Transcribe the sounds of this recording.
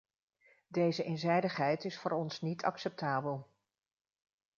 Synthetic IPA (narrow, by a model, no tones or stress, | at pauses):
dejzəʔenzɛjdəχɦɛjtɪsfʊːɹɔnsnitʰɑksɛp̚taːbəlˠ